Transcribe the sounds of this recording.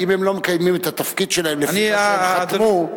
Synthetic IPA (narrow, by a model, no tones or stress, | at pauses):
imhemlo̞mekajmimet̪at̪afkid̪ʃe̞lahemlefniat̪mu